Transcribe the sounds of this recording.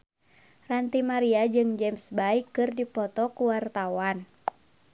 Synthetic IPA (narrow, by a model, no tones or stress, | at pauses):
rant̪imaɾiad͡ʒɨŋd͡ʒɛmsbaikːɨrdipɔt̪ɔkuwart̪awan